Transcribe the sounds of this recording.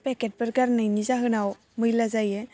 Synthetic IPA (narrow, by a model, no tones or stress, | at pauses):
pɛket̚pəɾkaɾnajnizaɦɯnaw | mɯjlazajɛ